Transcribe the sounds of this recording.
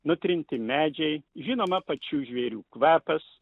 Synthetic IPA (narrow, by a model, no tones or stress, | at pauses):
nʊt̪ʲɾʲɪnʲt̪ʲɪmʲæːd͡ʒʲɛɪʒʲɪnoːmɐpɐt͡ʃʲuːʒʲʋʲɛɾʲuːkʋæːpɐs